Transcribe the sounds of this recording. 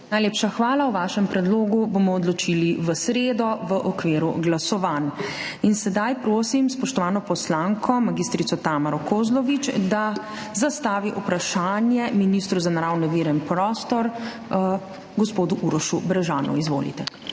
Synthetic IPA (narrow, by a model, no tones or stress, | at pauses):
najleːpʃaxʋaːlawʋaːʃɛmpɾɛd̪loːɡubomɔːd̪lɔt͡ʃiliʋəsɾeːd̪ɔʋəʔɔkʋeːɾṵɡlasɔʋan | insɛd̪ajpɾoːsimspɔʃt̪ɔʋaːnɔpɔslaːŋkʰɔmaɡist̪ɾit̪ɔt̪aːmaɾɔkoːzlɔʋit͡ʃd̪a | zast̪aːʋiʔupɾaʃaːnjɛminist̪ɾuzanaɾawnɛʋiːɾɛnpɾɔːst̪ɔɾ | ɡɔspoːd̪uʔuɾɔʃubɾɛʒaːnṵizʋo̰ːlḭt̪ɛ